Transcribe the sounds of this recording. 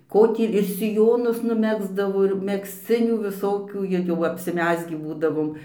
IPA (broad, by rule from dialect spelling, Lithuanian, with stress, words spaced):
ˈkoː tʲiː ɪr sʲɪˈjoːnʊs nʊˈmʲæːɡzdɐʋoː ɪr mʲɛksʲˈt͡sʲɪnʲuː ʋʲɪˈsoːkʲuː ɪr jɛʊ ɐpʲsʲɪˈmʲæːzʲɡʲiː ˈbuːdɐʋoːm